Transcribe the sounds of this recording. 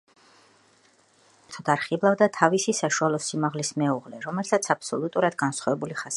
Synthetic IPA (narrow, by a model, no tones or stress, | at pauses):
t̪ʰɔd̪aɾχiblˠavd̪at̪ʰavisisaʃualˠɔsimaʁlismɛuʁlɛɾɔmɛlsʰat̪sʰapsɔlˠut̪ʼuɾad̪ɡansχɔvɛbuliχas